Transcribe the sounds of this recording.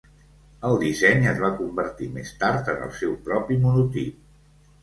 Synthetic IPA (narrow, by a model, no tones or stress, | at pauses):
əlˠd̪izɛɲəzβakumbəɾt̪imḛst̪aɾt̪ənə̰lˠsɛwpɾɔpimunut̪ip̚